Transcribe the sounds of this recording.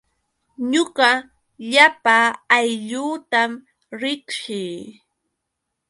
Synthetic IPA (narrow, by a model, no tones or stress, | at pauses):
ɲʊɢɑ | ʎapaːjʎuːt̪am | ɾɪkʃɪː